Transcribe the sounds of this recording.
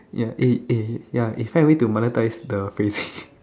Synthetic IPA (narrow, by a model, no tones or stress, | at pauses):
jaʔiijaifãɪ̃nwitumɔnətaɪsdəfesi